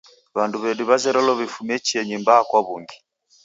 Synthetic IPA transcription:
βanduβɛdiβazɛɾɔlɔβifumɛt͡ʃiɛɲimbaːkwaβuŋɡi

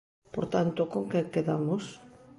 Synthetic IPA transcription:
po̰ɾt̪ant̪okoŋkekeðamos

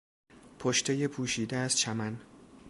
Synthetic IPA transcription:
pʰoʃt̪ʰejepʰuːʃiːd̪eæzt͡ʃʰæmæn

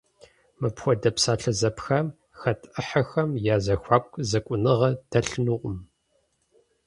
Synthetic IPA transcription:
mɨpxʷɔdɐpsaːɬɐzɐpxɐm | xɐtʰʼʔɨħɐxɐmjaːzɐxʷaːkʷʰʼzɐkʷʼʊnɨʁɐd̥ɐɬɨnuːqʷʼʊm

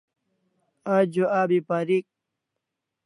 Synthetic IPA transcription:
ad͡ʑoaːbipaːɾik̚

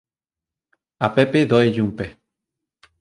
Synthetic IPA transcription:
apepeðoeʎumpe

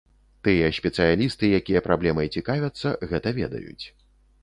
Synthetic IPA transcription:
t̪ɨjɐsʲpʲɛt̪sɨjalʲist̪ɨjakʲijɐpɾablʲɛmɐt͡sʲikavʲɐt̪sːɐɣɛt̪ɐvʲɛ̰d̪ɐ̰jṵt͡sʲ

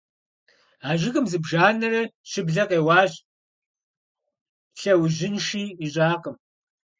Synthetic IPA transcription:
aːʒɪɣɨmzɨbʒaːnɐrɐɕɪbɮɐqeːwɑːɕʼ | ɬɐwʑɪnʂiːiɕʼaːqəm

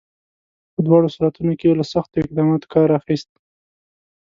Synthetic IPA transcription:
pəd̪wɑɽosuɾat̪unokelasaxt̪oɪq̚d̪ɑmɑt̪o̥kɑɾaxist̪̚

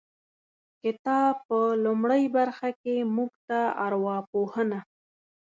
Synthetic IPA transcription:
kɪt̪ɑbpəlʊmɽəjbaɾxakemuɡt̪aaɾwɑpohəna

